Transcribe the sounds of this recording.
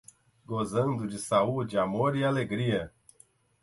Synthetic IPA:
ɡozɐ̃nd̪ʊd͡ʒɪsaud͡ʒɪamoɾialeɡɾiɐ

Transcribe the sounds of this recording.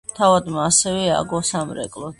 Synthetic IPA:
t̪ʰavad̪maːsɛvɛa̰ɡɔsamɾɛ̰kʼlɔ

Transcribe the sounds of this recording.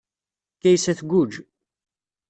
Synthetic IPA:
kæjsæθɡʷud͡ʒ

